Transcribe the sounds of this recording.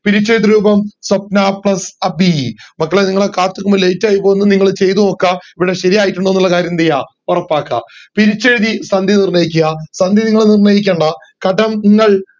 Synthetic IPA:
piɾit͡ɕːejðiɾuːbɐmsɐp̚naːpɭɐsɐbimɐkːɐɭeniŋːɐɭekaːt̪ːukːumːɐlejtːaːjipːoenːɨniŋːɐɭt͡ɕe̞jt̪umokːɐiʋiɽe̞ɕɐɾijaːjiʈːuɳɖonːuɭːɐkaːɾjɐmd̪ija | urɐpːaːkːɐ̰piɾit͡ɕːeɾuðisɐnd̪ʱinirnɐjikʲːuɣɐsɐnd̪ʱiniŋːɐɭenirnɐjikʲːeːɳɖɐ | kɐɖɐmŋːɐɭ

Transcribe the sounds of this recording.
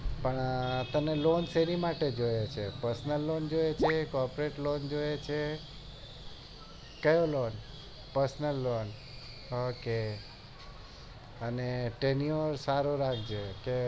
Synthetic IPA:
pəɳt̪ənelonseɾimaʈed͡ʒojat͡ʃʰepəɾsnəlːond͡ʒojet͡ʃʰekɔɾpɾeʈlond͡ʒojet͡ʃʰe | kəjolon | pəɾsnəlːon | oke | əneʈenioɾsaɾoɾaɡd͡ʒeke

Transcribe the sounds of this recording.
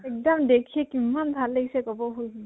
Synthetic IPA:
ɛk̚dɔmdekʰɛkimːanbʱalːeɡisɛkɔbɔɦojɦi

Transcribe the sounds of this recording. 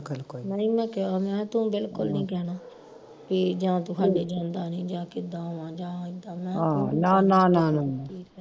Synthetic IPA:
kəlkoinəĩːmɛ̃ːkɛaːmɛ̃ːt̪ʊ̃ːbɪlkʊlnĩːkɛːnaː | piːd͡ʒãːt̪ũːɦʰaːlːeːd͡ʒãːnd̪aːnĩːd͡ʒãːkɪd̪aːɦoʋãːd͡ʒãːɪd̪ãːmɛ̃ːãːnãːnãːnaːnaːʈʰiːkɛː

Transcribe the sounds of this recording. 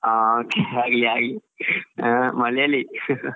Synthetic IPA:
aokeaɡliaɡli | məlali

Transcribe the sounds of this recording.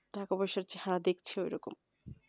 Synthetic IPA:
ɖʱakabɔʃaɾt͡ɕeɦanad̪ekt͡ɕʰeojɾɔkom

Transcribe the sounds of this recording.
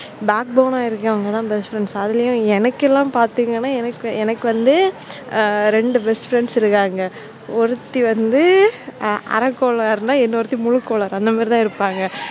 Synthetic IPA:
baːk̚bɐʊnaːɪɾɯkːʋɐŋɡɐt̪ãːbɛsfɾɛɳɖsɐðɪlɐjʊ̃ɛnɐkːɛlːãːmpaːɾt̪ɯːŋɡɐnːaːɛnɐkːɯɛnɐkːɯʋɐnd̪ɯ | ɾɛɳɖɯbɛsfɾɛɳɖsɪɾɯkːaːŋɡɐ | ɔɾɯt̪ːiʋɐnd̪ɯ | ɐ̰ɾɐkːoːlɐɾnaːɛnːɐɔɾɯt̪ːimʊɻɯkːoːlɐɾɐnd̪ɐmaːɾɪt̪ãːɪɾɯpːaːŋɡɐ

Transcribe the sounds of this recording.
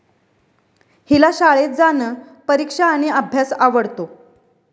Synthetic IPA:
hilaɕaɭet̪̚d͡zanəː | pəɾikʂaːɽ̃iəbʱjasaʋəɽt̪o

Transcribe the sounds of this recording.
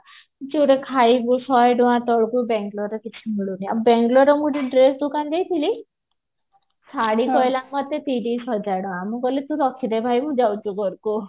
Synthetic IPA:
t͡ʃuɾekʰajbusɔjɖɔãt̪ɔɽɡubɛŋɡlɔɾekit͡ʃʰimiɭunaa̰bɛŋɡlɔɾɔmũɾiɳʈɾesd̪ukand͡ʒajt̪ʰili | saɽikɔjlamɔt̪et̪iɖisɔd͡ʒaɖɔwãmũkɔlit̪ũɾɔkʰiɾebʱajmũd͡ʒawt͡ʃukɔɽku

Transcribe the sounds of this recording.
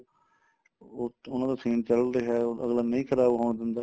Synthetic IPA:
oʊnãːd̪aːsʰiːnt͡ʃəld̪eːɦɛːoə̰ɡlaːnəĩːkʰəɾaːbɦoːɳd̪ɪnd̪aː

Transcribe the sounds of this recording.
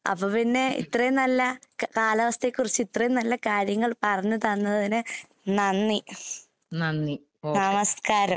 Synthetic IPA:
ɐ̰pːoːpinːe̞ḭt̪rɐjumnɐlːɐkaːlɐʋɐst̪ekːurit͡ɕːɨit̪rɐjumnɐlːɐkaːɾjɐŋːɐɭpɐrɐɲːɨt̪ɐnːɐðɐðinɨ | nɐnːi | nɐnːi | nɐmɐskaːɾɐ

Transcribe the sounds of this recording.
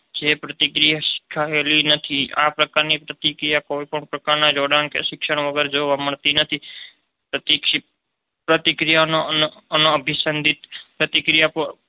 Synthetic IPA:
d͡ʒepɾət̪ikɾijaʃɪ̥kʰːaelinət̪ʰia̰pɾəkaɾnipɾət̪ikɾijakoipəɳpɾəkaɾnad͡ʒoɽankḛʃɪkʃəɽ̃ʋəɡəɾd͡ʒoʋaməɳt̪inət̪ʰi | pɾət̪ik | pɾət̪ikɾijanonənoəbʱisənd̪ʱit̪pɾət̪ikɾijap

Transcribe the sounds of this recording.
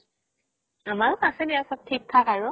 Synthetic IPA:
amalkasɛnɛjasap̚tʰik̚t̪ʰːakaɹʊ

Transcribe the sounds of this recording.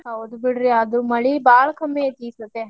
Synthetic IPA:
ɐod̪ubiɽɾiad̪umɐɭibaːɭɐkʰɐmːet̪isɐt̪ːe

